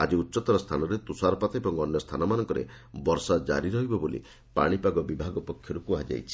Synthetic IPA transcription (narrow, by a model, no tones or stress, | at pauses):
a̰d͡ʒiutːt͡ʃɔt̪ɔɾɔst̪ʰanɔɾet̪usaɾɔpat̪ɔebɔŋɔnjɔst̪ʰanɔmanɔŋkɔɾḛ | bɔɾsad͡ʒa̰ɾiɾɔɦibɔbolḭ | pa̰ɽ̃ipaɡɔbibʱaɡɔpɔkʰjɔɾukuad͡ʒa̰jt͡ʃʰi̥